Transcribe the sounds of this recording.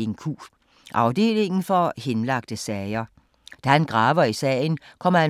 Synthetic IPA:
enkʰṵː | ʔɑ̈ʊd̥e̝̰ːle̝ŋ̰n̩fɒ̽henlɑ̈ɡ̥̚d̥əsɛɪɐ | d̥æhænɡ̥ʁɑ̈ːʋɐisɛ̰ɪnkʰɒ̽m̰ɐhæ

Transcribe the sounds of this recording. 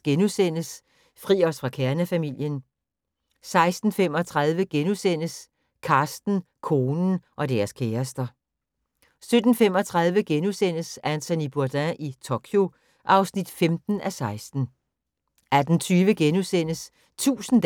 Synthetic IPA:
ɡ̥enusen̰əs | fʁḭːɒ̽sfʁɑ̈kʰæɐnəfæmil̰jən | sɑ̈ɪsd̥n̩fem̰ɒ̽t͡sʰʁɑ̈ðˠʋəɡ̥enusen̰əs | kʰɑ̈ːsd̥n̩ | kʰo̝ːnn̩ʔɒ̽d̥æɐskʰeːɐsd̥ɐ | sød̥n̩fem̰ɒt͡sʰʁɑ̈ð̞ˠʋəɡ̥enusen̰əsænt͡sʰænib̥uɐd̥æ̃ʔit͡sʰo̝kʰjo̝ | ʔɑ̈ʊsnid̥femd̥n̩æsɑ̈ɪsd̥n̩ | æd̥n̩t͡sʰyːʋəɡ̥enusen̰əs | t͡sʰṵːsn̩d

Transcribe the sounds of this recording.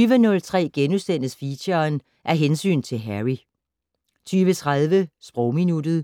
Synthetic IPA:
yːʋənɔ̽lt͡sʰʁɛ̰ːɡ̥enusd̥en̰əsfiɕɐn | ʔæɐɦensy̰ːnt͡sʰe̝lɦæʁi | t͡sʰyːʋət͡sʰʁaðˠʋəsb̥ʁɔʊminud̥ð̞̩ˠ

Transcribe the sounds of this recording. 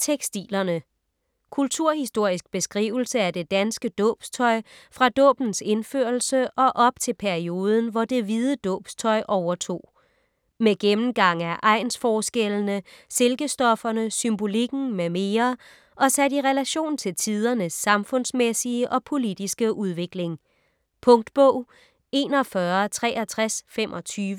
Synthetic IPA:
t͡sʰeɡ̥sd̥ḭːlɐnə | kʰult͡sʰuɐ̰hisd̥o̝ɐ̰isɡ̥̚b̥e̝sɡ̥ʁḭːʊl̩səæd̥e̝d̥ænsɡ̥əd̥ɔ̰̽ːb̥st͡sʰɒ̽ɪ̰fʁɑ̈d̥ɔ̰̽ːb̥n̩se̝nføɐl̩səʔɒ̽ʔɒ̽b̥̚t͡sʰe̝lpʰæɐio̝ːð̞ˠən̩ʋɒd̥e̝ʋið̞ˠəd̥ɔ̰̽ːb̥st͡sʰɒ̽ɪʔɒʊɐt͡sʰo̝̰ː | meɡ̥emn̩ɡ̥ɑ̈ŋ̰æɐʔɑ̈ɪ̰nsfɒːsɡ̥elənəse̝lɡ̥əsd̥ɒ̽fɐnəsymb̥o̝liɡ̥n̩meme̝ːɐ | ʔɒ̽sædiʁɛlæɕo̝̰ːnt͡sʰe̝lt͡sʰið̞ˠɐnəsːɑ̈mfɔ̽n̰smesiəʔɒ̽pʰo̝lid̥isɡ̥əʔuð̞ˠʋe̝ɡ̥le̝ŋ | pʰɔ̽ŋd̥b̥ɔʊ̰ | e̝̰ːnɒfɶɐt͡sʰʁɛ̰ːʔæt͡sʰʁasfemʔɒ̽t͡sʰyːʋə

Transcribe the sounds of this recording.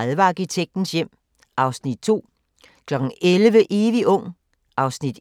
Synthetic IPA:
ðˠʋɑ̈ːɡ̥it͡sʰeɡ̥̚d̥n̩sjem̰ | ʔɑ̈ʊsnid̥̚t͡sʰo̝̰ː | kʰlɒ̽ɡ̥ŋ̩elʋəʔeːʋiʔɔ̽ŋ̰ | ʔɑ̈ʊsnid̥

